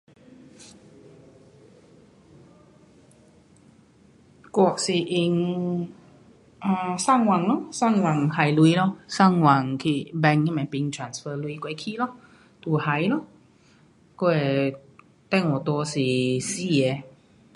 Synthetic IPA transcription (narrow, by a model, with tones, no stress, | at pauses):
kɔ˨˧k̚si˨˩ʔi˧ŋ | ã˧˩sa˥˨ŋwa˨˩ŋlɔ˧sa˥˨ŋwa˨˩ŋha˨˩jlwi˧lɔ˧sa˥˩ŋwa˨˩ŋkʰi˧˩bɛ˧ŋi˧mɛ̃˨˩pi˧ŋt̪ʰa˨˩nsfəː˧lwi˧kwe˨˦kʰi˧lɔ˧ | t̪u˨˩ha˨˦jlɔ˧˦ | ko˥˧e˨˩ | t̪ɛ˥˧˨ŋwɔ˨˩t̪wɔ˧si˨˩si˦˧e˨˧˦